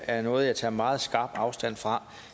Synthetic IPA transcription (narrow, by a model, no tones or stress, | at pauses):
æɐnɔ̽ːð̞̩ˠjɑ̈ɪt͡sʰɑ̰̈ːmɑ̈ːð̞̩ˠsɡ̥ɑ̈ːb̥ɑ̈ʊsd̥æn̰fʁɑ̈